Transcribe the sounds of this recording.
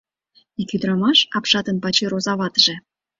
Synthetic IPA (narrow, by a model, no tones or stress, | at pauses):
ikʲyd̪ɾɑmɑʃɑpʃɑt̪ənpɑt͡ɕiɾozɑβɑt̪əʒĕ